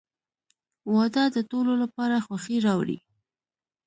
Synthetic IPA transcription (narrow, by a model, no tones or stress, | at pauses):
wɑd̪ɑd̪ət̪ololapɑɾaxwaxiɾɑwɽḭ